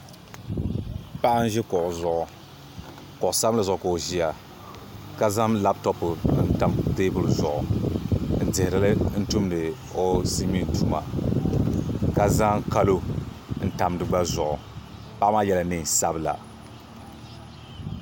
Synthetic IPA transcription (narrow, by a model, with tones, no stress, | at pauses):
pa˦ʔa˦n̩˦ʒɛ˦kɔ˨ʔʊ˨zʊ˨ʔʊ˨ | kɔ˨ʔʊ˨sa˦bla˨zʊ˨ko˨ʒi˦ja˨ | ka˦za˦mla˦btɔ˦pɨ˨˦n̩˦ta˨mdeː˦bʊ˦lzʊ˨ʔʊ̰˨ | n̩˨dɪ˨hɪ˨ɾɨ˨lɨ˦n̩˦tu˦mdɨ˨ | o˦si˦mi˦n˨tu˦ma̰˨ | ka˦za˦ŋ˦ka˦lo˦n̩˦ta˨mdɨ˨ɡ͡ba˦zʊ˨ʔʊ˨ | pa˦ʔma˦jɛ˦la˨ni˦˨sa˦bɨ˦la̰˨